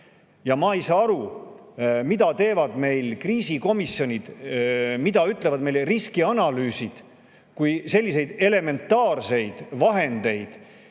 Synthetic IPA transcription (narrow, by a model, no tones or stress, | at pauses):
jɑmɑːejsɑːɑɾu | mid̪ɑt̪e̞ːvɑd̪̥me̞jlkriːsiko̞misjo̞nʲid̪̥ | mid̪ɑyt̪ːˑle̞vɑd̪me̞jleriskiɑnɑlyːsid̪̥ | kujse̞lʲːise̞jd̪̥e̞le̞me̞nt̪ːɑːrse̞jd̪̥vɑɦe̞nd̪̥e̞jd̪̥